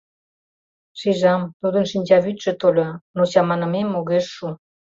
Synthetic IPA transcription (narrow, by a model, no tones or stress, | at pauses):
ʃiʒɑmt̪ud̪ə̆nʃinʲd͡ʑɑβyt̪ʒĕt̪olʲonot͡ɕɑmɑnə̆memːoɣeʃːu